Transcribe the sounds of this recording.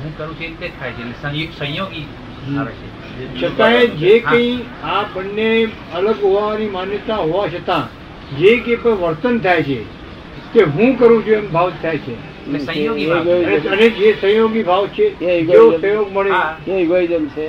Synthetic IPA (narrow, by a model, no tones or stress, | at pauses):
ɦũkəɾũt͡ʃʰet̪et̪ʰajt͡ʃʰesəsə̃joɡi | ɦ | t͡ʃʰət̪ãed͡ʒekə̃ĩ | apəɳːe | ələɡɦoʋanimanjət̪aɦoʋat͡ʃʰət̪ã | d͡ʒekepəʋəɾt̪ənt̪ʰajt͡ʃʰe | t̪eɦũkəɾũd͡ʒʰuembʱaʋt̪ʰːajt͡ʃʰḛ | esə̃oɡiəeəned͡ʒesə̃joɡibʱaʋt̪t͡ʃʰed͡ʒosə̃joɡməɽe